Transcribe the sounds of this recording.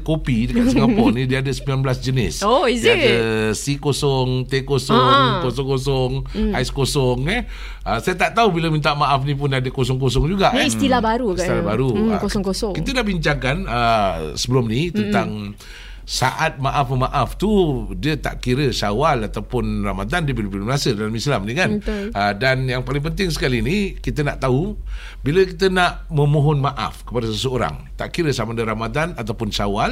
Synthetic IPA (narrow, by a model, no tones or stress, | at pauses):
kopidəkasəŋapɔnidiəadəsəmbilanbəlasd͡ʒənɪ̰soizadəsikosɔŋt̪ekosɔŋkosɔŋkos̬ɔŋaiskosɔŋɛ | əsajat̪aʔt̪aubilamint̪̬aʔmaʔafnĩpʊnadəkos̬ɔŋkos̬ɔŋd͡ʒuɡaʔist̪ilabaɾust̪ilabaɾuɔŋkosɔkit̪ədahbiɲt͡ʃaŋkanəsəbəlumnit̪ənt̪aŋ | saʔat̪̚maʔafməmaʔaft̪udiət̪a̰ʔkiɾəsawalat̪awpʊnramad̪andiəbilubilumnasədalamislamnikanəədanjaŋpalɪŋp̬ənt̪ɪŋs̬ə̥kalinikit̪ənaʔt̪aɦu | biləkit̪ənaʔmə̃moɦɔnmaʔa̰fkə̥padəsəsəoɾa̰ŋt̪a̰ʔkiɾəsamadəɾamad̪anat̪awpʊnsawal